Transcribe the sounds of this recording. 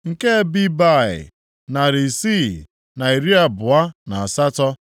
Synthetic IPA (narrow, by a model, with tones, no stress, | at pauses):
ŋ̩˨ke˦bi˦ba˦˨ɪ̰˨ | na˨ɾi˨si˦˨ | na˨i˨ɾi˦a˦bʊ˨a˦na˨a˨sa˦tɔ˦